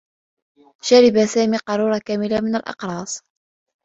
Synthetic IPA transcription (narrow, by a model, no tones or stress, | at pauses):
ʃaɾɪbasaːmiːqɑɾˤuːɾˤɑkaːmɪlamɪna̰lʔɑ̰qɾˤɑːsˤ